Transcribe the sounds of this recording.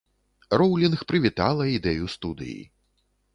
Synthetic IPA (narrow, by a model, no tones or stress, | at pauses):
rɔwlʲinxpɾɨvʲit̪a̰lˠɐid̪ɛjust̪ud̪ɨ̰jḭ